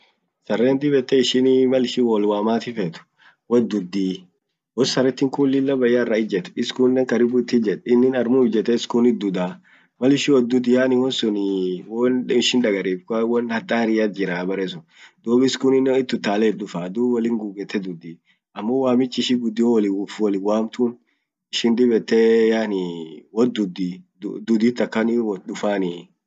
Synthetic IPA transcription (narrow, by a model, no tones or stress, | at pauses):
sɐrːɛːnd̪ɪbɛt̪ːɛɪʃɪnimɐlɪʃɪwɔlwaːmaːt̪ɪfɛt̪ʊ̥ | wɐd̪ʊd̪ːiː | wɔsɐɾɪt̪ːɪŋkuːlːɪlːɐbɐjːarːɐɪd͡ʒɛt̪ɛ̥ɪskʊnnːɛŋkɐɾɪbʊɪt̪ːɪd͡ʒɛᶑɪnːɪnɐɾmuːfd͡ʒɛt̪ːɛɪskʊnɪd̪ʊd̪aː | mɐlɪʃɪwɔd̪ʊd̪ɪjaːnɪwɔnsʊnɪwɔnɪʃɪnᶑɐɡɐɾiːfkɐwɔnhɐt̪ʼːaːɾɪjat̪̚d͡ʒɪɾaːbɐɾɛsʊn | d̪̥oːbɪskʊnɪnːɛnɪt̪ːʊt̪ːaːlɛᶑʊfaːd̪uːwɐlɪŋɡuːɡɛt̪ʰːɛd̪ʊd̪i | ɐmːɔwaːmɪt͡ʃːɪʃɪɡʊd̪ɪwɔlɪwfwɔlɪwaːmt̪ʊn | ɪʃɪnd̪ɪbɛt̪ːɛjaːnɪwɔd̪ʊd̪i | d̪ʊd̪iːt̪ːɐkːɐnɪwɔᶑʊfaːnɪ